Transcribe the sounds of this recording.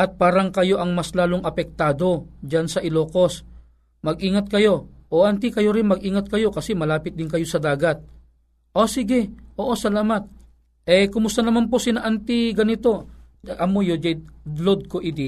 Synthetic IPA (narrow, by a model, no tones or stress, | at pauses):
ʔɐt̪̚paːɾɐŋkɐjo̞ʔɐŋmaslaːloŋʔɐpɛk̚t̪aːd̪o̞d͡ʒɐnsɐʔɪloːko̞s | mɐɡʔiːŋɐt̪̚kɐjo̞ʔoʔɐnt̪ikɐjo̞ɾɪnmɐɡʔiːŋɐt̪̚kɐjo̞kɐsɛmɐlaːpɪt̪̚d̪ɪnkɐjosɐd̪aːɡɐt̪̚ | ʔosɪɡɪʔoːʔosɐlaːmɐt̪̚ | ʔɛkʊmʊst̪ɐnɐmanp̬o̞sɪnaʔant̪ɪɡɐnɪt̪o̞ | ʔɐmojod͡ʒɐlod̪̚koʔɪd̪i